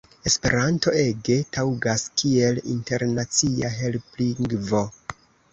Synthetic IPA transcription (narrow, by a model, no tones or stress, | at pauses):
e̞spe̞̰ɾanto̞e̞ɡe̞tawɡaskie̞lḭnte̞ɾnat͡siaɦe̞lpliŋɡvo̞